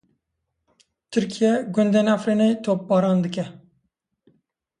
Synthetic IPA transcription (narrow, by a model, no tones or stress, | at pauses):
t̪ʰɨɾkʰijɛɡʊnd̪ɛnæfɾinejt̪ʰoːp̚bɑːɾɑːnd̪ɨkɛ